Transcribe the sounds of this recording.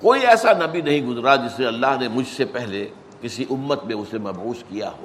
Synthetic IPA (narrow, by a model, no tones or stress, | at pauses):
koːiɛːsanɐbinɐɦĩɡʊzɾad͡ʒɪsnẽɐlːaɦnemʊd͡ʒʱsepɛɦle | kɪsiʔʊmːət̪mẽʊsemɐbɦuːskija̰ɦoː